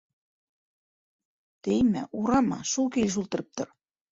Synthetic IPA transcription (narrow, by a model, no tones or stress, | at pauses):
t̪ejmæ̰ʔuɾɑmɑ̰ʃulkelʲɘʃ̬ulˠt̪ɤ̆ɾɤ̆p̚t̪ɤ̆r